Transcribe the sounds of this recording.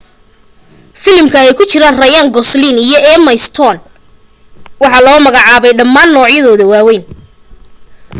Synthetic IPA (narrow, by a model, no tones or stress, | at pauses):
fɪlmkʰɐɛjkʰʊt͡ʃɪɾaːnrɐjaŋɡɔsliːnijɔɛːmɐjst̪ʰɔːn | wɑħɑlɔːmɐɣɑʕɑːβɛjɖɐmːaːnːɔːʕjɐðɔːðɐwaːwɛjn